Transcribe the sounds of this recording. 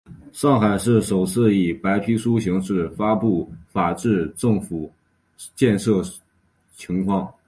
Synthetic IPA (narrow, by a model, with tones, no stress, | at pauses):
ʂɑ˥˩ŋxa˨˩ɪʂɻ̩˥˩ʂo˨˩ʊt͡sʰɹ̩˥˩i˨˩pa˧˥ɪpʰi˧˥ʂu˥ɕi˧˥ŋʂɻ̩˥˩fa˥pu˥˩fa˨˩ʈ͡ʂɻ̩˥˧ʈ͡ʂɤ˥˩ŋfu˨˩˦ | t͡ɕjɛ˥˧nʂɤ˥˩ | t͡ɕʰi˧˥ŋkʰwɑ˥˩ŋ